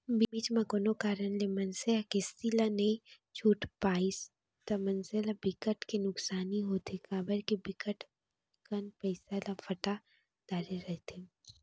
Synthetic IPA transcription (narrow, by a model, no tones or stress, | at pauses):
bbiːt͡ʃmãkonokaːɾənlemɐnseakest̪ilane | t͡ʃʰuːʈpaːis | t̪ɐmɐnselabɪkəʈkenʊksaːniɦoːt̪ekaːbəɾkibɪkəʈ | kɐnpɐɪsalafʰɐʈa | d̪̥aːɾeɾɛɦt̪e